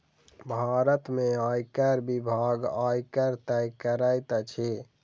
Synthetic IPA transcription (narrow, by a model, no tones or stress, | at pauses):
bʱaɾət̪meajkəɾbibʱaɡajkəɾt̪ɛjkəɾəjt̪t͡ʃʰe